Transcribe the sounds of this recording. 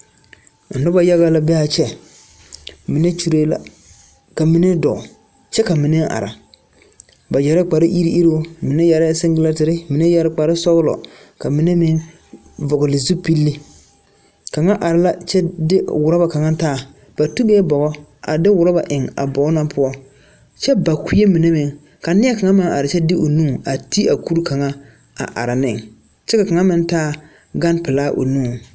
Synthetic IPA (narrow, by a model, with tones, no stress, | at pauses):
n̩˨nʊ˦ba˦ja˦ɣa˦la˦bɛ˦a˨t͡ʃɛ˦ | mɪ˨˦ne˦t͡ʃu˦ɾe˦la̰˦ | ka˨mɪ˦nɛ˦dɔ˨ | t͡ʃɛ˦ka˨mɪ˨nɛ˦ŋ˦ʔa̰˨ɾa̰˨ | ba˨d͡ʒɛ˨ɾɪ˦k͡pa˨ɾɪ˦ʔi˦ɾi˦ʔi˦ɾoː˦mɪ˨nɛ˦ja˨ɾɪ˦sɪ˦ŋɡɪ˦la˦tɪ˨ɾɪ˦mɪ˨nɛ˦ja˦ɾɪ˦k͡pa˨ɾɪ˦sɔ˦ɣlɔ̰˨ | ka˨mɪ˨nɛ˦mɪ˦ŋ | vɔ˨ɡɔ˨lɪ˨zu˦pi˦lːi˦ | ka˨ŋa˦ʔa˨ɾɪ˦la˦t͡ʃɛ˦dɪ˦wʊ˨ɾa˦ba˨ka˨ŋa˦taː˦˨ | b̥a˨tu˦bɛː˦bɔ˨ɣɔ˦a̰˨dɪ˦wʊ˨ɾɔ˦ba̰˨ʔɪ˨ŋa̰˨bɔ˨ɡna˦mpʰʊ˦ɔ˦ | t͡ʃɛ˦ba˨ki˦e˦mi˨ne˦mɪ˨ŋ | ka˨nɪ˦a˦ka˨ŋa˦mɪ˦ŋa̰˨ɾɪ˨t͡ʃɛ˦dɪ˦ʔo˨nũː˦˨a˨ti˦a˨ku˦ɾka˨ŋa˦ | a̰˨ʔa̰˨ɾɪ˨nɪ˦˨ŋ | t͡ʃɛ˦ka˨ka˨ŋa˦mɪ˦n˦taː˦ | ɡa˦npɪ˨laː˦ʔo̰˨nũː˦˨